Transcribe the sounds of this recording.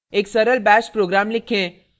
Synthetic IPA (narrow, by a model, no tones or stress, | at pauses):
eːksɐɾəlbɛːʃpɾoːɡɾaːmlɪkʰẽ